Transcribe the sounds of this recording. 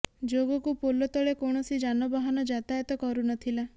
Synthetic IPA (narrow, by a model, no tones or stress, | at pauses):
d͡ʒoɡɔkupolɔt̪ɔɭekoɳ̃ɔsid͡ʒanɔbaɦanɔd͡ʒat̪ajɔt̪ɔkɔɾunɔt̪ʰila